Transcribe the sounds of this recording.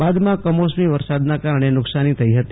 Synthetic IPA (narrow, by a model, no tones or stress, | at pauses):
bad̪mãkəmosmiʋəɾsad̪nakaɾəɳ̃enʊksanit̪ʰəiɦət̪i